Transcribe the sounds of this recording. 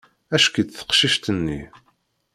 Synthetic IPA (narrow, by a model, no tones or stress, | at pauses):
æʃkid̪θə̥qʃiʃt̪ənːḭ